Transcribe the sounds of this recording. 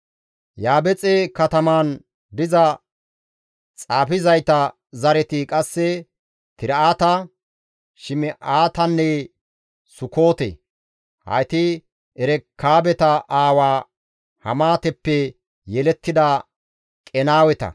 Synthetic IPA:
jaːbɛt͡sʼekɐt̪ɐmaːn | d̪ɪzɐ | t͡sʼaːpɪzɐjt̪ɐ | zɐɾɛt̪ɪkʼɐsːɛ | t̪ɪɾaːt̪ɐ | ʃɪmɛʔaːt̪ɐnːɛ | sʊko̞ːt̪ḛː | hɐ̰t̪ɪ | ʔɛɾɛkʰːaːbɛt̪ɐʔaːwaː | hɐ̰maːt̪ɛpːɛ | jɛlɛt̪ːɪd̪ɐ | kʼɛnaːwɛt̪ɐ̰

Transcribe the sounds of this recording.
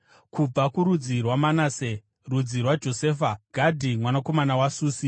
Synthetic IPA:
kub͡vakuɾud͡zirwamanaːse | rud͡zirwad͡ʒo̞seːfaɡ̥ʱadʱimwanako̞manawasuːsi

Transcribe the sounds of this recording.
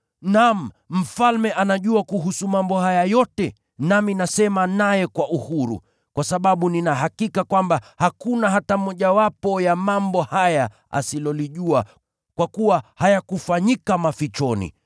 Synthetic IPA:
nam̩ | m̩falmɛʔanaʄuakuɦusumambɔhajajɔtɛ | naminasɛmanajɛkwaʔuhuɾṵ | kwasaɓaɓuninaɦakikakwambahakunaɦatamɔʄawapɔjamambɔhaja | a̰silɔliʄua | kwakuwahajakufaɲikamafit͡ʃɔnḭ

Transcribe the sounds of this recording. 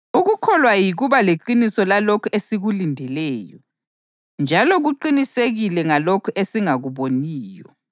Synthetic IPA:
uɣukʰɔlwajiɣuβaleǃinisɔlalokʰɔesiɣulindʱɛlɛːjɔ̰ | nd͡ʒʱalɔɣuǃiniseɣilɛŋalokʰɔʔesiŋaɣuβoniːjɔ̰

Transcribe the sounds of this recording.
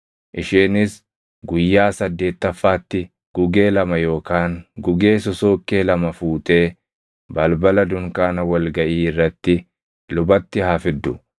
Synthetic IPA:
ʔɪʃeːnɪs | ɡʊjːaːsɐd̪ːe̞ːt̪ːɐfːaːt̪ːɪ | ɡ̥ʊɡe̞ːlɐmɐjo̞ːkaːŋɡʊɡe̞ːsɔso̞ːkʼːeːlɐmɐfuːt̪ʼe̞ː | bɐlbɐlɐd̪ʊŋkaːnɐwɐlɡɐʔiːɪrːɐt̪ːɪ | lʊbɐt̪ːɪhaːfɪd̪ːʊ

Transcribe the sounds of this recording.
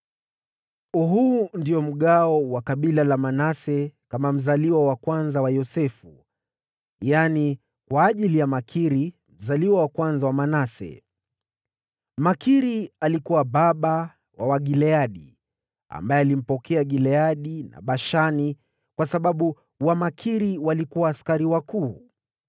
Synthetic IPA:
uɦundijɔm̩ɠaɔwakaɓilalamanasɛkamam̩zaliwawakwanzawajɔsɛfu | jani | kwaːʄilijamakʰiɾi | m̩zaliwawakwanzawamanasɛ̰ | makiɾialikuwaɓaɓa | wawaɡilɛaɗḭ | a̰mbajɛalim̩pɔkʰɛaɠilɛaɗina̰ɓaʃani | kwasaɓaɓu | wamakʰiɾiwalikuwaːskaɾiwakuː

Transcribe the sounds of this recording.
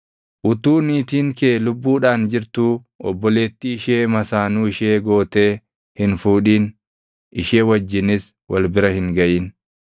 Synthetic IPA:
ʔʊt̪uːniːt̪iːŋkeːlʊbːuːᶑaːnd͡ʒɪɾt̪uː | ɔbːɔle̞ːt̪ːiːɪʃeːmɐsaːnuːɪʃeːɡo̞ːt̪e̞ː | hɪnfuːᶑiːn | ɪʃe̞ːwɐd͡ʒːɪnɪs | wɐlbɪɾɐhɪŋɡɐʔɪːn

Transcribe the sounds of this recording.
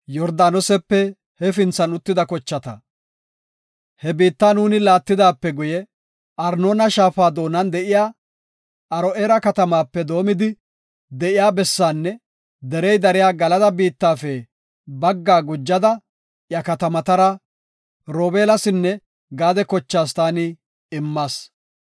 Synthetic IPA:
jɔɾd̪aːnɔsɛpːɛ | hɛfɪnt͡sːɐnʊt̪ːɪd̪ɐkɔt͡ʃːɐt̪ɐ̰ | hɛbiːt̪ːaːnuːnɪlaːt̪ːɪd̪aːpːɛɡʊjɛ | ʔɐɾnoːnɐʃaːfaːd̪o̞ːnɐnd̪ɛʔɪjaː | ɐɾɔʔeːɾɐkɐt̪ɐmaːpːɛd̪o̞ːmɪd̪ɪ | d̪ɛʔɪjaːbɛsːaːnːɛ | d̪ɛɾɛjd̪ɐɾɪjaːɡɐlɐd̪ɐbiːt̪ːaːfɛ | bɐɡːaːɡʊd͡ʒːɐd̪ɐ | jɐkɐt̪ɐmɐt̪ɐɾɐ | ɾoːbeːlɐsɪnːɛ | ɡaːd̪ɛkɔt͡ʃːaːst̪aːnɪ | ɪmːaːs

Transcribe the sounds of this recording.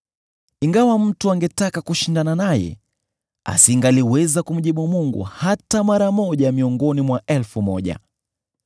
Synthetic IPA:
iŋɡawam̩tuaŋɡɛtakakuʃindananajɛ̰ | a̰siŋɡaliwɛzakum̩ʄiɓumuŋɡṵhatamaɾamɔʄamiɔŋɡɔnimwaʔɛlfumɔʄa̰

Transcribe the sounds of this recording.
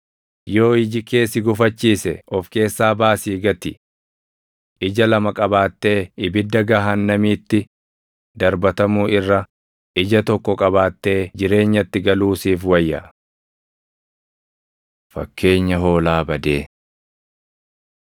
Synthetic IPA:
jo̞ːɪd͡ʒɪke̞ːsɪɡʊfɐt͡ʃːiːsɛɔfke̞ːsːaːbaːsiːɡɐt̪ɪ | ʔɪd͡ʒɐlɐmɐkʼɐbaːt̪ːe̞ːɪbɪd̪ːɐɡɐɦɐnːɐmiːt̪ːɪ | d̪ɐɾbɐt̪ɐmuːɪrːɐ | ʔɪd͡ʒɐt̪ɔkːɔkʼɐbaːt̪ːe̞ːd͡ʒɪɾe̞ːɲːɐt̪ːɪɡɐluːsiːfwɐjːɐ | fɐ̰kʰːe̞ːɲːɐɦo̞ːlaːbɐd̪eː

